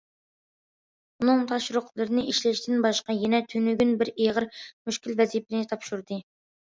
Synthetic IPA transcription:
unɨŋt̪ʰɑʃɾʊqlˠɨɾɪnɨʔiʃlɛʃt̪ʲɪnbɑʃqɑjɛnɛt̪ʰynyɡʲynbɪɾeʁəɾmyʃkʲilvɛzijpɪnɪt̪ʰɑpʃuɾd̪ɨ

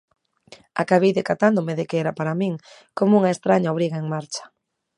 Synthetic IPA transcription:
a̰kaβejðekat̪and̪ʊmeðɪkeɛɾapaɾamiŋ | komuŋaest̪ɾaɲaoβ̞ɾiɣaeŋmaɾt͡ʃɐ̥

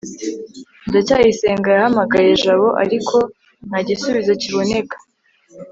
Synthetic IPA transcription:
dacaːjiseːŋɡajahamaɡaje̞ʒaβo̞ʔa̰ɾikʰo̞ | n̥haɟisuβizociβo̞ne̞kḁ

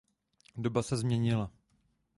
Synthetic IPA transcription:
do̞basɛzmɲɛɲɪla

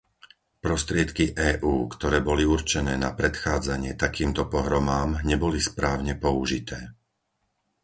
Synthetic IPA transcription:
pɾɔst̪ɾɪɛt̪kiʔɛːʔuːkt̪ɔɾɛːbɔliuɾt͡ʃɛnɛːnapɾɛt̪xaːd͡zaɲɪɛt̪akiːmt̪ɔpɔɦɾɔmaːmɲɛbɔlispɾaːʊɲɛpɔuʒit̪ʰɛː

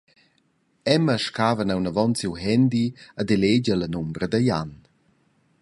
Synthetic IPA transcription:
ɛməʃkaːvənawnəvɔnt͡siwɦɛnd̪iəd̪eleɟələnumbɾəd̪əja̰n

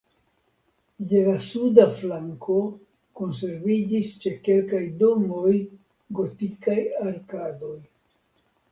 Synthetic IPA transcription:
jelasudaflaŋkʰo̞ | ko̞ns̬e̞ɾvid͡ʒist͡ʃe̞ke̞lkajdo̞mo̞j | ɡo̞tikajaɾkado̞j

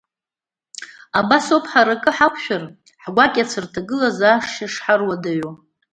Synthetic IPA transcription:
abasopʰħaɾakʼɨħakʷʰʃᶣar | ħɡʷakʲʼat͡sʰɨrtʰaɡɨlazaːʂaʂħarwadaɥo

